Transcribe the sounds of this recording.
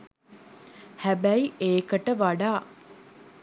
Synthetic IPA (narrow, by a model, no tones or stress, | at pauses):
hæbæiʔeːkəʈəʋaɖaː